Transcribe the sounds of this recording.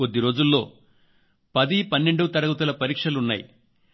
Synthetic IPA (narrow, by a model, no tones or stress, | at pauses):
o̞d̪ːiɾo̞ːd͡ʒulːo̞̰ː | pɐd̪ipɐnːeɳɖut̪ɐɾɐɡut̪ɐlɐpɐɾiːkʂɐlunːa̰ːjḭ